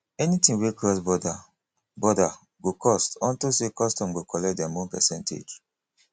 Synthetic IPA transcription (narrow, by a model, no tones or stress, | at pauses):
ɛnitĩŋwekɔsbɔda | bɔda | ɡokʰɔstɔ̃ntosekɔstɔ̃mɡokʰɔlɛkt̚dɛ̃mõnpɛ̰sɛ̃ntʰḛd͡ʒ